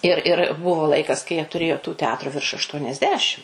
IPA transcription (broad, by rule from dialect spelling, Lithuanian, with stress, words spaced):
ɪr ɪr ˈbʊʋoː ˈlˠɐɪkɐs kɐɪ jiɛ tʊˈrʲeːjoː tuː tʲɛˈɑːtrʊ ʋʲɪrʃ ɐʃˌtuɔnʲɛzʲˈdʲæːʃʲɪm